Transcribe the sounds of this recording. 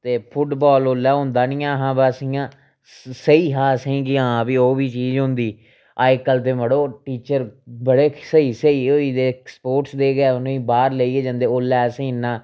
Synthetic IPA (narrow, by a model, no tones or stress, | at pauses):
t̪eːpʰʊʈbɔːloːlːɛːɦʊ̃nd̪aːnĩːãːɦãːbaːsijãː | səiːɦaːsĩːkɪãːbiːoːbiːt͡ʃiːd͡ʒɦʊ̃nd̪iː | aːkəlt̪̬ẽːməɽoːʈiːt͡ʃəɾbəɽeːsəiːsəiːɦoːiːd̪eːkspoːʈsd̪eːɡɛːʊnːĩːbaːɾleiːeːd͡ʒə̃nd̪eːoːlːɛːsĩːnːãː